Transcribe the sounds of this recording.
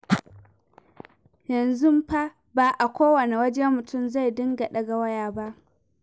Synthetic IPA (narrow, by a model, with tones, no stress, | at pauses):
jɐ˨nzʊ˦mɸa˦ | baː˨ʔa˨kʷoː˦wɐ˨ne˨wɐ˦d͡ʒɛ˦mːʊ˨tʊ˦˨mza˦˨jdɪ˦ŋɡa˨ɗɐ˨ɡa˨wɐ˦jaː˨ba˦ʔ